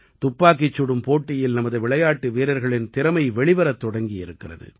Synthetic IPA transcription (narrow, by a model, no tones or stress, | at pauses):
t̪ʊpːaːk̬ːɪt͡ʃːʊɽɯmpoːʈːɪjɪlnɐmɐðɯʋɪɭɐjaːʈːɯʋiːɾɐɾɣɐɭɪnt̪ɪɾɐmɐɪʋɛɭɪʋɐɾɐt̪ːɔɽɐŋɡɪjɪɾɯkːɪrɐ̰ðɯ̰